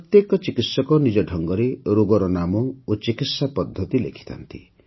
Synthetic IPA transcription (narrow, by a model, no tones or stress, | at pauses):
pɾɔt̪jekɔt͡ʃikit̪sɔkɔnid͡ʒɔɖʱɔŋɡɔɾeɾoɡɔɾɔnamɔot͡ʃikit̪sapɔd̪ʱːɔt̪ilḛkʰi̥t̪a̰nt̪ḭ